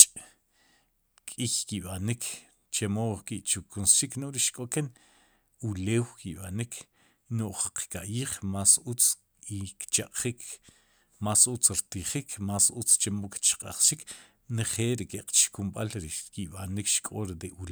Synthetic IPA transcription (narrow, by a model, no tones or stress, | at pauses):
t͡ʃʼ | kʼiçkiɓanikʰ | t͡ʃemokiʔt͡ʃukʰunsʃiknoʔɾiʃkʼoken | uleːwkiɓanikʰ | noʔχqkaʔjiːχmasut͡s | ikt͡ʃaqʼχikʰ | masut͡sɾt̪iχikʰmasut͡st͡ʃemoki̥t͡ʃqʼa̰χʃik | neχeːlɾikeqʼt͡ʃi̥kumɓalɾikiɓanikʃkʼoɾd̪eʔul